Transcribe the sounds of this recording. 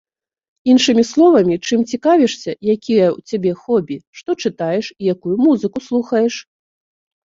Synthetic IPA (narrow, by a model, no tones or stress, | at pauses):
inʂɨmʲislˠɔvɐmʲit͡ʂɨmt͡sʲikavʲɛʂsʲɐjakʲʰijɛwt͡sʲabʲɛxɔbʲiʂt̪ɔt͡ʂɨt̪ajɛʂijakujumuzɨkuslˠuxɐjɛʂ